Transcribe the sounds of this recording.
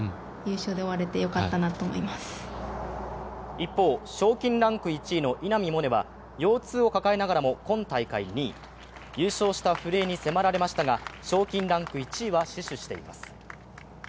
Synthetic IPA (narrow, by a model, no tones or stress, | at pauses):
jɯːɕoːd̪e̞oβaɾe̞t̪e̞jo̞kat̪ːanat̪oːmo̰imasɨ̥ | ipːo̞ːɕo̞ːkʲĩnɾãŋkɯ̟it͡ɕiːno̞ʔinamʲimo̞ne̞βa | jo̞ːt͡sɨːo̞kakaenaɡaɾamo̞kõ̞nt̪aikaiɲiː | jɯ̟ːɕo̞ːɕi̥t̪aɸɯ̟ɾe̞ːɲ̟ise̞maɾaɾe̞maɕi̥t̪aɡaɕo̞ːkʲĩnɾãŋkɯ̟it͡ɕiːβaɕiɕɨɕi̥t̪e̞̰ḭma̰sɨ̥